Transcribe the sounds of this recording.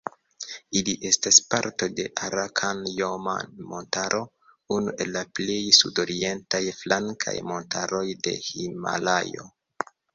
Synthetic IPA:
iliʔe̞staspaɾto̞de̞ʔaɾakʰanjoma̰nmo̞ntaɾʔo̞ | unuʔe̞lːaple̞jsudo̞ɾie̞ntajflaŋkʰa̰jmo̞ntʰaɾo̞jde̞hima̰la̰jo̞̰

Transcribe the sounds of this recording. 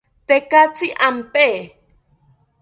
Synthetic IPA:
t̪ekat͡siʔampe

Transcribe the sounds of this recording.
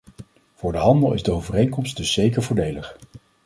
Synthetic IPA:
v̥ʊːɹdəɦɑndəlˠɪ̰zdəowvərejŋkɔmstdɵsːejkəɹvʊːɹdejləχ

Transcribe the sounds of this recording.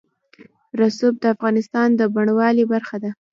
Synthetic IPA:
ɾasub̚d̪əafɣɑnɪst̪ɑnd̪əbaɳwɑlibaɾxad̪a

